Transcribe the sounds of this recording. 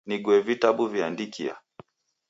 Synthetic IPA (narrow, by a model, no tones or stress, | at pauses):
niɡwɛvitaɓuvjandikʰia̰